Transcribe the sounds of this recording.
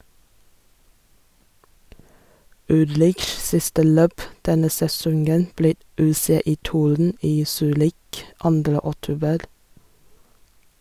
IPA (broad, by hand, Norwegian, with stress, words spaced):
ˈʉlɾɪʃs ˈsɪstə ˈløːp ˈdɛnə sɛˈsɔŋɡən ˈbliː ˌʉːˌseːˌiːˈtuːɾn̩ ˈiː ˈsyːɾɪk ˈɑndɾə ɔˈtuːbəɾ